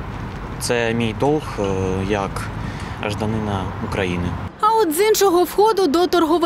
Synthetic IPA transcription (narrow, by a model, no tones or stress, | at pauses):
t̪sɛmʲijd̪ɔlˠxjɐkɐ̰ʒd̪ɐnɪnɐukɾɐjinɪɐɔd̪zinʃɔɦɔwxɔd̪ʊd̪ɔt̪ɔrɦɔʋ